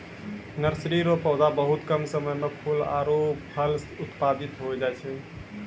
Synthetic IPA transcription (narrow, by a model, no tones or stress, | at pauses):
nəɾsɾiɾopəwd̪abəɦut̪kəmsəməjmepʰula̰ɾoppʰəlsut̪pad̪it̪ɦod͡ʒajt͡ʃʰɛ